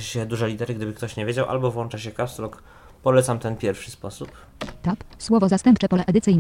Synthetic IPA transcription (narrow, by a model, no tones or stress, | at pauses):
ɕɛd̪uʐɛlʲit̪ɛɾɘɡd̪ɘbɘkt̪ɔɕɲevʲed͡ʑawʔa̰lbɔvwɔnt͡ʂaɕɛkapst̪lɔk | pɔlɛt̪samt̪ɛnpʲjɛɾfʂɘ̥spɔsup | t̪apswɔvɔzast̪ɛmpt͡ʂɛpɔlɛʔɛd̪ɘt̪sɘjn